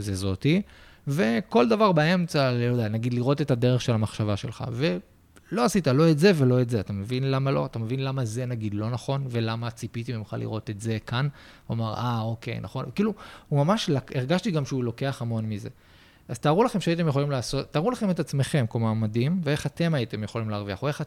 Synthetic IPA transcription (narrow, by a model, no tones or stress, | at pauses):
zezo̞tive̞ko̞ldavaʁbae̞mt͡saljod̪eanaɡid̪liʁo̞te̞tade̞ʁeχʃe̞lhamaχʃavaʃe̞̰lχa̰ve̞ | lo̞asitalo̞etze̞ve̞lo̞etzeatame̞vinlamalo̞̰atame̞vinlamaze̞naɡid̪lo̞naχo̞nvelamat͡sipit̪ibimχa̰lḭʁo̞t̪e̞tze̞kanomaʁao̞ke̞̰jna̰χo̞nkiːluhumamaʃlakeʁɡaʃtiɡamʃeulo̞ke̞aχamo̞nmize̞̰ | az̥t̪aːʁulaχemʃeait̬emjeχo̞limlaːso̞tːaːʁulaχe̞met̪at͡sme̞χe̞mkomaːmadimvee̞χate̞maite̞mjeχo̞limleaʁvia̰χoe̞χa